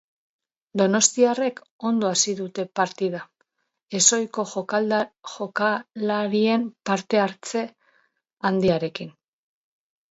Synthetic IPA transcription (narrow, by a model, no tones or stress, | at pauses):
d̪o̞no̞st̪iare̞k | o̞nd̪o̞asiðut̪e̞paɾt̪ið̞a | e̞so̞jko̞xokalxokalaɾie̞mpaɾt̪e̞aɾt͡se̞ | and̪iaɾe̞kin